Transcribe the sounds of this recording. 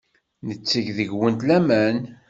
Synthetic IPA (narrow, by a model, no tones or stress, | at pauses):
nət͡sːəʝðəʝwənt̪læmæn